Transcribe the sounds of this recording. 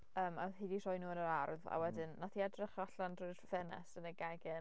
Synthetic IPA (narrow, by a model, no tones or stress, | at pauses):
əːmaɦedirɔjnuːənəɾarða̰wɛdɪnːatʰiadrɪχɔɬandrʊɨrfɛnɛ̰sənəɡaɡɛ